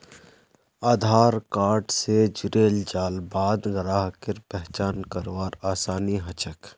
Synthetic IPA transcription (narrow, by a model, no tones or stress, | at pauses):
aːd̪ʱaːɾkaːɾʈsed͡ʒʊɾeːld͡ʒaːlbaːd̪ɡɾaːɦkɪɾpɛɦt͡ʃaːnkəɾwaːɾaːsaːniɦɐt͡ʃək